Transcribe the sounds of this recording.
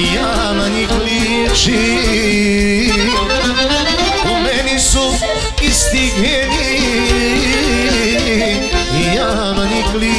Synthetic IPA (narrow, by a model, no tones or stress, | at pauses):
ja | maniklijɛt͡ʃi | umɛnisu | ist̪iɡɲɛni | ija | manikli